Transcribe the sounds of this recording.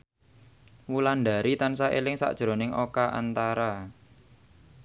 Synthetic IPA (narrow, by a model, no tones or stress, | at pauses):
wulanɖaɾit̪ansaʔḛlɪŋsa̰ʔd̥ʒ̥ɾo̤nɪŋʔokaʔa̰nt̪aɾa